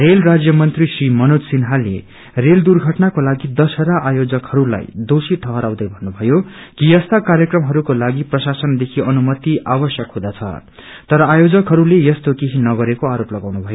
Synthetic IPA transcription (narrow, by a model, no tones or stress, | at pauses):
relrad͡zjʌmʌnt̪risrimʌnutsinɦalːḛ | reld̪urɡʱʌʈnakolaɡid̪ʌsʌɾaʔajod͡zʌkhʌɾula̰jd̪osiʈʰʌɦʌɾaw̃d̪ʌjbʱʌnːubʱʌjokijʌst̪akaɾjʌkrʌmɦʌɾukolaɡiprʌsasʌnd̪ekʰiʌnumʌt̪iabʌsjʌkɦũd̪at͡sʰʌ̰ | t̪ʌɾʌajod͡zʌkɦʌɾulejʌst̪okeɦinʌɡʌɾekoaɾoplʌɡawnubʱʌjo